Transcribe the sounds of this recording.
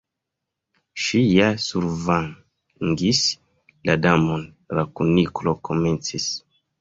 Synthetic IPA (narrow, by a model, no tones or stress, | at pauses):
ʃijasuɾvaŋ | ŋɡis | ladamon | ɾakuniklokʰo̞me̞nt͡sis